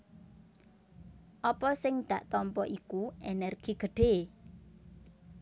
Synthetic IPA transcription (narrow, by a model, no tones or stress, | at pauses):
ʔɔpɔsɪŋd̪̥ä̤ʔt̪ɔmpɔʔikuenɛrɡ̥iɡ̥ə̤ɖ̥e̤